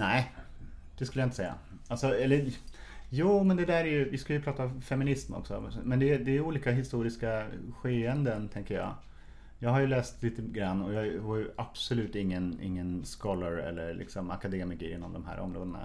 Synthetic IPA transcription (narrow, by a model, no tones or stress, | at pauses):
næɪd̪̥ɛskɵləjaɪnt̪əsɛjːa̰ | alsɔɛlːə | juːmɛnd̪ɛd̪æːɾɛɾjɵvɪskaljɵpʰɾɑːt̪afɛmɪnɪsmɔ̰ksɔ̰mɛnd̪ɛd̪ɛːuːliːkaɦɪst̪uːɾɪskaɧeːɛnd̪ənt̪ʰɛŋkəjɑ̰ː | jɑːɡɦhaɾjɵlɛːst̪liːt̪əɡɾanːɔjɑːɡvajɵʔab̥sɔlʉ̟ːt̪ɪŋːənɪ̰ŋːənskɔlːəɾɛ̰lːəɾlʔɪ̰ksɔma̰kad̪eːmɪkəɾɪnːɔmd̪ɔmɦæ̰ːɾʔɔ̰mɾoːd̪əna̰